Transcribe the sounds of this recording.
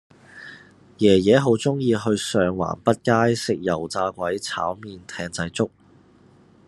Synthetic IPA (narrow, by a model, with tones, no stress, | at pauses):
jɛː˨˩jɛː˨˥ɦo˨˥wt͡sʊ˥ŋjiː˧ɦɵ˧ɥsœː˨ŋwa̰ː˨˩npɐ˥t̚kaː˥jsɪ˨k̚jɐ˨˩wt͡saː˧kʷɐ˨˥jt͡sʰa̰ː˨˥wmiː˨˧nt̪ʰɛː˧ŋt͡sɐ˧jt͡sʊ˥k̚